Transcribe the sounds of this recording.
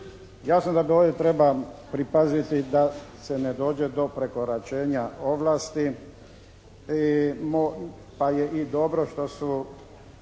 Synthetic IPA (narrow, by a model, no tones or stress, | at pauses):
jasnod̪ad̪oːd̪jet̪ɾe̞bapɾipazit̪id̪ase̞ned̪o̞ːd͡ʑe̞d̪o̞pɾe̞ko̞ɾat͡ʃeːɲao̞ʋlaːst̪i | imo | pajeʔid̪o̞bɾo̞ʃt̪o̞su